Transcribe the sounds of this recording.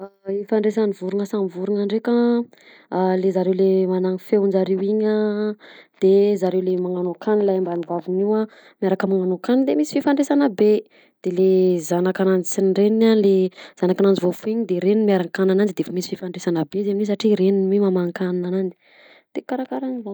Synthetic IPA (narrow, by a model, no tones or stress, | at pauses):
aifaɳɖ͡ʐesanivuɾuŋəsamivuɾuŋaɳɖ͡ʐeka | alezaɾewlemanaŋifewund͡ʒaɾewiɲə | d̪̥ezaɾewlemaŋanokanilajambanivaviniwa | mjaɾakəmaŋanokanilemisi̥fifaɳɖ͡ʐesanabe | d̪̥elezanakanand͡ʒi̥sinɳɖ͡ʐeninanlez̥anakanand͡ʒivofuiɲd̪eɾeninmiaɾaŋkananand͡ʒid̪eefamisififaɳɖ͡ʐesanabezemnisaʈ͡ʂiɾeninwimamaŋkaninanani̥ | d̪̥ekaɾakaɾaniva